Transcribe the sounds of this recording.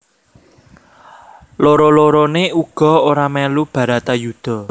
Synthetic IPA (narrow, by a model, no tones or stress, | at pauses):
loɾoloɾoneuɡ̥ɔ̤oɾamɛlub̥ä̤ɾä̤t̪ajud̪̥ɔ̤